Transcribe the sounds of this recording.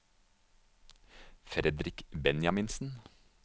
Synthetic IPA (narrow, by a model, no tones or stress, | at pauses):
fɾɛd̪ɾɪkbɛnjɑmɪnsn̩